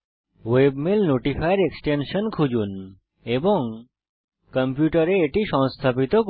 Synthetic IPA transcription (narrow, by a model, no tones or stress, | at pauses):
ʋebmelnoʈifʰajɾeksʈenʃənkʰud͡ʑun | ebɔŋ | kəmpjuʈəɾeːʈiʃɔ̃wst̪ʰapit̪ok